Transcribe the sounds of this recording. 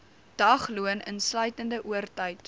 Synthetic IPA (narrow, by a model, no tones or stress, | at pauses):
d̥ɐχluənənslœɥtəndəʔuərtəjt